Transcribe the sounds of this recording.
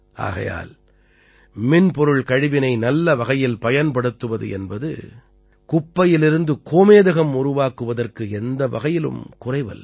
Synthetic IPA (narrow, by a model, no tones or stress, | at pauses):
ʔa̰ːɣɐ̰ja̰ːl | mɪnpɔɾɯɭkɐɻɪʋɪnɐɪnɐlːɐʋɐɣɐjɪlpɐjɐnpɐɽɯt̪ːɯʋɐðɯ̰ʔɛnbɐðɯ̰ | kʊpːɐjɪlɪɾɯnd̪ɯkoːmeːðɐɣɐmʊɾʊʋaːkɯʋɐðɐrkɯɛnd̪ɐʋɐ̰ɣɐjɪlɯ̰mkʊrɐɪʋɐ̰l